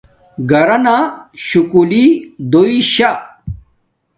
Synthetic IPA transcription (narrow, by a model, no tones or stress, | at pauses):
ɡɐɾɐnaɕukulid̪oiɕa